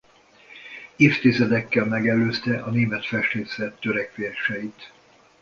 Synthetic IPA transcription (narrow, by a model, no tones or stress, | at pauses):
eːft̪izɛd̪ɛkːɛlmɛɡɛlːøːst̪ɛʔɒneːmɛt̪fɛʃt̪eːsɛt̪ːøɾɛkʋeʃɛjit̪